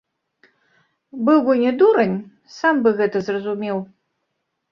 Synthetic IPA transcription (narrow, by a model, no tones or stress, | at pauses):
bɨlɡɔnʲɛd̪uɾɐnʲ | sambɨɣɛt̪ɐzrɐzumʲew